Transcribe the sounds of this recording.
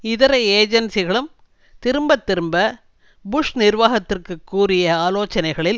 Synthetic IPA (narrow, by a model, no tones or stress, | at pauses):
ɪðɐɾɐeːd͡ʒɐnsɪɣɐɭɯm | t̪ɪɾɯmbɐt̪ːɪɾɯmbɐ | bʊʂnɪrʋaːɣɐt̪ːɪrkɯkːuːrɪjɐaːloːt͡ʃːɐnɐɪɣɐɭɪl